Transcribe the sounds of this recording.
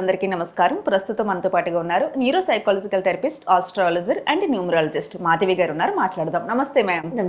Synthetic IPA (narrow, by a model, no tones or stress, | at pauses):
ɐnd̪ɐɾikiːnɐmɐskaːɾɐmpɾɐst̪ut̪ɐmːɐnɐt̪oːpaːʈuɡaːunːaːɾuniːɾoːsɐjkaːlɐd͡ʒikɐlt̪ɐɾipisʈaːsʈɾaːlɐd͡ʒɐɾɐɳɖnjuːmɾaːlɐd͡ʒisʈmaːd̪iʋiɡaːɾunːaːɾumaːʈlaːɽd̪aːmnɐmɐst̪eːmɛːm